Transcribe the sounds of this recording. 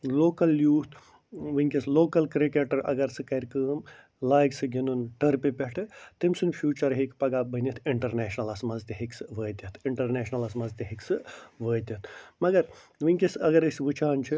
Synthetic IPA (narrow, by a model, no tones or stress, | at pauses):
loːkɐljuːt̪ʰ | ʋɨŋʲkʲesloːkɐlkɾikeʈɐɾɐ̰ɡɐɾsɨkɐɾkəːm | laːjɡsɨɡʱʲinunʈɐɾpepʲeʈʰɨt̪imsɨnpʰjuːt͡ʃɐɾɦikpɐɡabənʲit̪ʰiɳʈɐɾneːʃnɐlɐsmɐzt̪eɦiksɨʋəːt̪ʲɐt̪ʰiɳʈɐɾneːʃnɐlɐsmɐzt̪eɦiksɨʋəːt̪ʲɐt̪ʰmɐɡɐɾʋɨŋʲkʲisɐɡɐɾɨsʲʋɨt͡ʃʰaːnt͡ʃʰi